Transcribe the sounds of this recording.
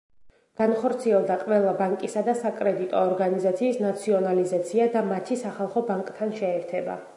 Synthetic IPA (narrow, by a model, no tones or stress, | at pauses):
ɡ̥anχɔɾt̪sʰiɛlˠd̪aqʼvɛlˠabaŋkʼisad̪asakʼɾɛd̪it̪ʼɔːɾɡanizat̪sʰiːsnat̪sʰiɔnalizat̪sʰiad̪amat̪ʰisaχalˠχɔbaŋkʼt̪ʰanʃɛːɾt̪ʰɛba̰